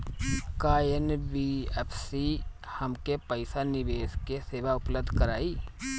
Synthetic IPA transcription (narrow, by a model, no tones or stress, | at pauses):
kaːjenbiɛpʰsi | hɐmkepəɪsanɪʋeːskeseːʋaʊpləb̚d̪ʱkəɾaːiː